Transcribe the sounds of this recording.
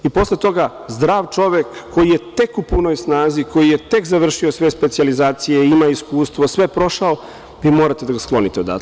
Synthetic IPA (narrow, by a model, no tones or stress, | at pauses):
ipo̞slet̪o̞ɡa | zd̪ɾaːʋt͡ʃo̞ʋekːo̞jijet̪e̞kupuno̞jsnaːziko̞jijet̪e̞kzaʋr̩ʃiosʋe̞spet̪sializaːt̪sijeimaiskuːst̪ʋosʋe̞pɾo̞ʃao | ʋiːmoɾat̪ed̪aɡasklˠo̞nit̪eod̪a̰